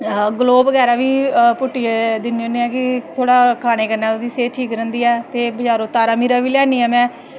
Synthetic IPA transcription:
ɡəloːbəɡɛːɾaːʋiːpʊʈːied̪ɪnioːneɛːkɪt̪ʰoːɽaːkʰaːñeːkəɾnaːod̪iːseːʈʰiːkɾə̃nd̪iːɛːt̪eːbəd͡ʒaːɾoːt̪ːaːɾaːmiːɾaːʋiːljaːniːɛːmɛ̃ː

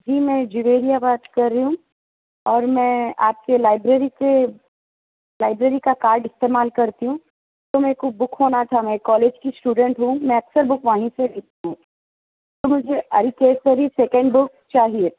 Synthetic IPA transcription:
d͡ʒiːmɛ̃d͡ʒɪʋeːɾijabaːt̪kɐɾːiɦũ | ɔːɾmɛ̃aːp̚kelaːɪbɾeɾike | laːɪbɾeːɾikakaːɾɖɪst̪eːmaːlkɐɾt̪iɦũ | t̪omɛ̃kubʊkʰɦoːnat̪ʰamɛ̃kɔːleːd͡ʒkisʈuːɖə̃ɳʈɦũmɛ̃ɐksəɾbʊkʰʋaːɦĩsebiːt̪iɦũ | t̪omʊd͡ʒʱeɐɾikeːsəɾisɛːkə̃ɳɖbʊk | t͡ʃaːɦie

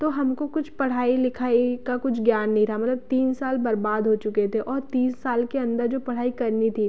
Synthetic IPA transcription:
t̪oɦɐmkokʊt͡ʃʰpɐɽ̤aːilɪkʰaːikakʊt͡ʃʰɡjaːnːɐɦĩt̪ɾaɦamɐt̪ləb̚t̪iːnsaːlbɐɾbaːd̪ɦot͡ʃʊket̪ʰeʔɔːɾt̪iːssaːlkeɐ̃nd̪əɾd͡ʒoːpɐɽ̤aːikɐɾnit̪ʰi

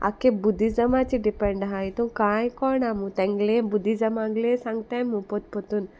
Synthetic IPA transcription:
a̰kebud̪izɐmat͡ʃiɖipeɳɖɦajit̪ũkãːjkɔɾnamũt̪ɛ̃ŋɡlebud̪izɐmãŋɡlesãŋɡt̪amũpɔt̪̚pɔt̪un

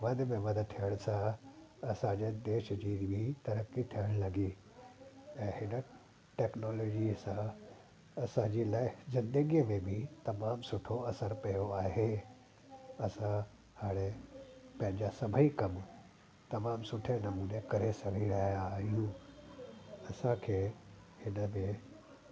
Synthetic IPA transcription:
ʋɐd̪ʱmẽʋɐd̪t̪ʰijəɽ̃sãɐsãd͡ʑeːd̪eːʃd͡ʑiːbʱit̪ɐɾəkit̪ʰijəɽ̃lɐɡi | ɛ̃ːɦɪnə | ʈɛːknɔːlɔːd͡ʑisã | ɐsãd͡ʑilaːɪzɪ̃nd̪əɡijəmẽbʱit̪ɐmaːmsʊʈʰoɐsəɾpɐjoaːɦe | ɐsã | haːɽ̃epɐ̃ɦɪ̃ɲd͡ʑasɐbʱəikɐm | t̪ɐmaːmsʊʈʰenɐmuːnekɐɾesɐɡʱiɾɐɦijaːɦijũ | ɐsãkʰeː | hɪnəmẽ

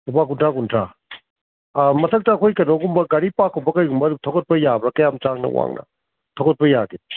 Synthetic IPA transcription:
ubak̬untʰakuntʰa | mɐtʰɐk̚taːkʰojkɐnoɡumbɐɡɐɾipakːɔbɐkɐjɡumbɐdub̚tʰoɡɐt̚pɐjabɾɐkɐjamt͡ʃaŋnɐ̰wa̰ŋnʔɐ̰ | tʰowɡɐt̚pɐjaɡi

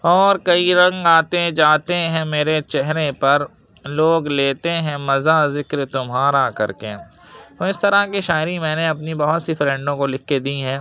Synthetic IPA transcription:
ɔːɾkɐiɾɐ̃ŋɡaːt̪ed͡ʒaːt̪eɦɛ̃meːɾet͡ʃɛɦɾepɐɾ | loːɡleːt̪eɦɛ̃mɐzazɪkɾt̪ʊmɦaːɾakɐ̰ɾkeoːɪst̪ɐɾakiʃaːɪɾimɛ̃ːneɐpnibɐɦʊt̪sifɾɛ̃ɳɖõkolɪkʰːed̪iɦɛ̃ː

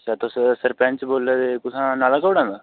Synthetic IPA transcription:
t͡ʃaːt̪ossəɾpɛ̃ːnt͡ʃboːlːeːd̪eːkʊsãːnaːlãːkəbɽãːnd̪aː

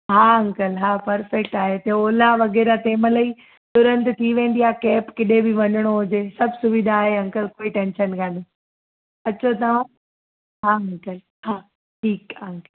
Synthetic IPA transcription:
ɦaːɐ̃ŋkəlɦaːpɐɾfek̚ʈaːɦet̪eoːlaʋɐɣɛːɾat̪eːmələi | t̪ʊɾə̃nt̪t̪ʰiʋẽːn̆d̪iakɛːpkɪɗẽbɪʋɐɲəɽ̃oɦʊd͡ʑeːsɐbʱsʊʋɪd̪ʱaːɦeɐ̃ŋkəlkoːiʈɛ̃ːnʃənkãni | ɐt͡ɕʰot̪ɐʋ̤ã | ɦaːɐ̃ŋkəl | haː | ʈʰiːkɐ̃ŋkəl

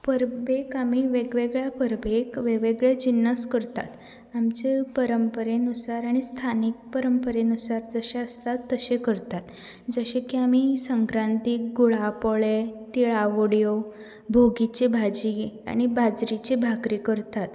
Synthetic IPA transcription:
pəɾbekamiʋeɡʋeɡɭjapəɾbʱekʋeʋeɡɭjad͡ʑinːəskəɾt̪a̰t̪ | amt͡ɕepəɾəmpəɾenusaɾaɽ̃ist̪ʰanik̚pəɾəmpəɾenusaɾd͡zəɕaəst̪at̪ːəɕekəɾt̪at̪ | d͡zəɕekiamisəŋkɾãnt̪ik̚ɡuɭapɔɭet̪iɭaʋoɽjo | bʱoɡit͡ɕebʱad͡ʑia̰ɽ̃ibad͡zɾit͡ɕebʱakɾikəɾt̪at̪

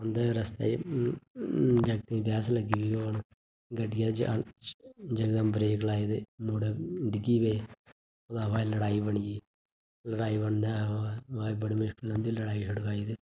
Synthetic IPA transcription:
ənd̪aːɾəst̪ḛː | d͡ʒəɡt̪eĩːbɛːsləɡiːʋeːon | ɡəɖɪjaːd͡ʒ | d͡ʒəɡd̪aːmbɾeːklaːid̪eːmoːɽeɖɪɡiːbeː | od̪aːʋaːiləɽaːiːbəɳijeː | ləɽaːiːbəɳd̪aːʋaːibəɽimʊʃkɪlə̃nd̪iːləɽaːiːʃʊɽkaːid̪eː

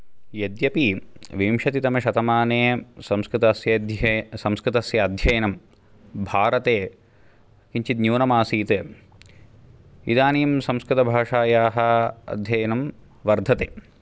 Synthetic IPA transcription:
jɐd̪jɐpiʋimʃɐt̪it̪ɐmɐʃɐt̪ɐmaːneːsɐmskɾɪt̪ɐsjɐd̪sɐmskɾɪt̪ɐsjɐːd̪ʱjɐjɐnɐm | bʱaːɾɐt̪eː | kiɲt͡ʃit̪njuːnɐmaːsiːt̪eː | id̪aːniːmsɐ̃mskɾɪt̪ɐbʱaːʂaːjaːɦɐɐ̰d̪ʱjɐjɐnɐm | ʋɐɾd̪ʱɐt̪eː

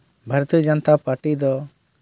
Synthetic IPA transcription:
bʱəɾt̪id͡ʒənt̪apaɾʈid̪ɔ

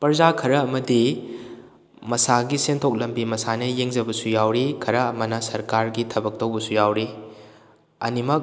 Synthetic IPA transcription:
pɐɾzakʰɐɾɐɐmɐdi | mɐsaɡisentʰok̚lɐmbimɐsanɐjeŋd͡ʒɐbɐsujawɾikʰɐɾɐːmɐnɐsɐɾkaɾɡitʰɐbɐk̚tɐwbɐsujawɾi | ɐ̰nimɐk̚

